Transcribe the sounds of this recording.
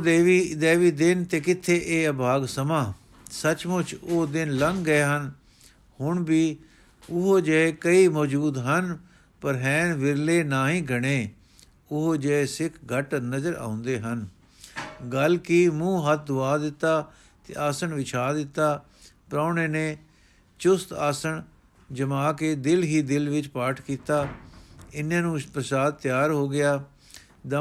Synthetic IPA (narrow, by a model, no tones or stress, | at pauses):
d̪eːʋiːd̪eːʋiːd̪ɪnt̪eːkɪt̪ʰːeːʔeːəbʱaːɡsəmãː | sət͡ʃmʊt͡ʃoːd̪ɪnləŋɡɡəeːɦən | hʊɳbiː | ʊɦoːd͡ʒəeːkəiːmɔːd͡ʒuːd̪ɦən | pəɾɦɛ̃ːnʋɪɾleːnaːɦĩːɡʱəɽ̃eː | ʊɦoːd͡ʒəesɪkʰɡʱəʈnəzəɾa̰ːʊ̃nd̪eːɦən | ɡəlkiːmũːɦət̪̚ʰd̪ʊaːd̪ɪt̪ːaː | t̪ḛːʔaːsəɳʋɪt͡ʃʰaːd̪ɪt̪ːaː | pɾaːneːneː | t͡ʃʊst̪aːsəɳ | d͡ʒəmaːkeːd̪ɪlɦiːd̪ɪlʋɪt͡ʃpaːʈʰkiːt̪aː | ɪnːãːnũːpɾəsaːd̪̚t̪ːjaːɾɦoːɡɪjaː | d̪ə